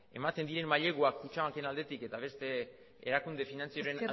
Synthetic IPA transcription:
e̞̰mat̪e̞nd̪iɾe̞mmaʎe̞ɣoakːut͡ʃaaŋke̞nald̪e̞t̪ike̞t̪aβ̞e̞st̪e̞ | ḛɾakund̪e̞finant͡sioɾen

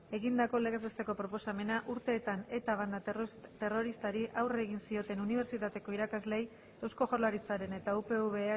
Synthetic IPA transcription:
e̞ɣind̪ako̞le̞ɣezest̪e̞ko̞pɾo̞po̞same̞naʔuɾt̪e̞ːt̪ane̞t̪aβ̞and̪at̪e̞ro̞ɾist̪aɾiʔawre̞ɣinsio̞t̪e̞nuniβ̞e̞ɾt͡ʃit̪at̪e̞ko̞iɾakazle̞j | ewsko̞ʝoɾlaɾit͡saɾe̞ne̞t̪aupe̞uβe̞a

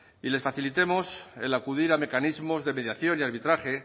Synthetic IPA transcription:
ile̞sfaθilit̪e̞mo̞se̞̰lakuðiɾame̞kanizmo̞zðe̞me̞ðjaθjo̞niaɾβit̪ɾaχe̞

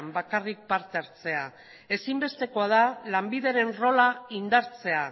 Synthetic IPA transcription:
mbakarik̚paɾt̪eaɾt͡se̞a | e̞simbe̞st̪e̞ko̞að̞alambiðe̞ɾe̞nro̞laind̪aɾt͡se̞a

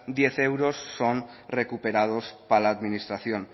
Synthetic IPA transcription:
d̪jeθewɾosːonrekupeɾað̞ospalaːd̪minist̪ɾaθjon

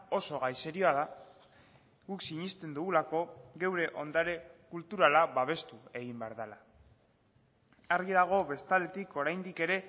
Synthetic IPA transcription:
o̞so̞ɣajseɾio̞aða | ɣuksiɲist̪e̞nd̪uɣulako̞ɣe̞wɾe̞ʔo̞nd̪aɾe̞kult̪uɾalaβaβ̞e̞st̪ue̞ɣ̞imbe̞aɾðala | aɾɣiðaɣ̞o̞βe̞st̪ald̪e̞t̪iko̞ɾajnd̪ike̞ɾe̞

